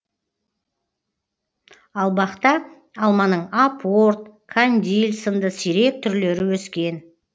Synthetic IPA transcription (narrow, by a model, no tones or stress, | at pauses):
ɑlˠbɑqt̪ɑ | ɑlˠmɑnəɴapʰoɾt̪̚kʰanʲd̪ilʲsənd̪əsiɾe̞k̚t̪ʰʏɾle̞ɾɪwɵskʲe̞n